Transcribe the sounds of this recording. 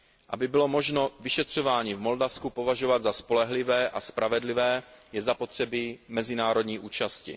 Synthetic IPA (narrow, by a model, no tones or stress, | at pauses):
ʔa̰bɪbɪlo̞mo̞ʒno̞vɪʃɛt̪r̝̥ovaːɲivmo̞ldafskupo̞vaʒovad̪zaspo̞lɛɦlɪvɛːʔaspɾʔavɛdlɪvɛːjɛzapo̞t̪r̝̥ɛbimɛzɪnaːɾo̞d̪ɲiːʔuːt͡ʃascɪ̰